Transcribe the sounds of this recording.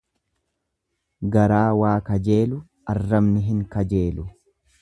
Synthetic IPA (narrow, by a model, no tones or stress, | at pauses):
ɡɐɾaːwaːkɐd͡ʒe̞ːlʊ | ɐrːɐmnɪɦɪŋkɐd͡ʒe̞ːlʊ